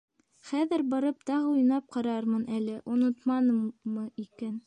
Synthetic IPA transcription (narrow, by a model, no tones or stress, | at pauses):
χæðɘɾbɑɾɤp̚t̪ɑʁɤujnɑp̚qɑɾɑɾmɤnʔælɘʔonɤ̆t̪mɑnɤːɤikæn